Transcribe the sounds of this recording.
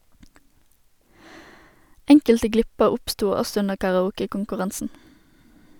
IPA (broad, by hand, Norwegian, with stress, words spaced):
ˈɛŋkəltə ˈɡlɪpəʁ ˈʊpˌstuː ˈɔsɔ ˈʉnəʁ kɑʁɑˈuːkəkʊŋkʉˌʁɑnsn̩